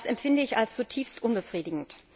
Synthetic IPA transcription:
sɛmfɪndəɪçalst͡sutʰiːfstʔʊnbəfʁ̥iːdɪɡŋ̩t

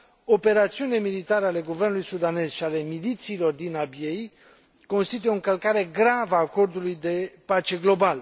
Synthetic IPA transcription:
o̞pe̞ɾat̪siunilemilit̪aɾəale̞ɡuvernulujsud̪ane̞zʃiale̞milit̪siːlo̞rd̪inabje̞j | ko̞nst̪it̪̬ujeoɨŋkəlkaɾe̞ɡɾavəaːko̞rd̪ulujd̪e̞pat͡ʃe̞ɡlo̞bal

